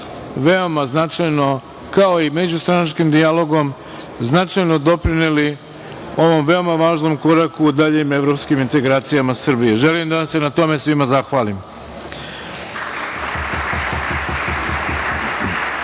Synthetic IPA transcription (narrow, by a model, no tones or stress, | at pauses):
ʋe̞o̞maznat͡ʂajno̞ | kao̞ime̞d͡ʑust̪ɾanat͡ʃkimd̪ialo̞ɡo̞m | znat͡ʂajno̞d̪o̞pɾineli | o̞ʋo̞mʋe̞o̞maʋaːʒno̞mko̞ɾakuːd̪aʎime̞ʋɾo̞pskimint̪e̞ɡɾaːt̪sijamasr̩bijeʒe̞limd̪aasse̞nat̪o̞me̞sʋimazaxʋaːlim